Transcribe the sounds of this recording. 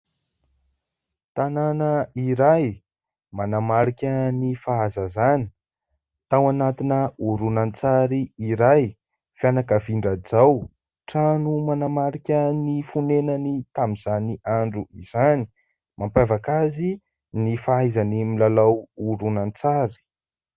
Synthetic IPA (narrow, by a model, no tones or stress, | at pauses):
t̪ananəiɾaj | manamaɾikʲənifaazazani̥ | t̪awanat̪inəuɾunant͡saɾiiɾaj | fjanakəviɳɖ͡ʐad͡zaw | ʈ͡ʂanumanamaɾikʲənifunenənit̪amizaniʔaɳɖ͡ʐuiz̥ani̥ | mampavakazi | nifaajzanimilalawuɾunant͡saɾi̥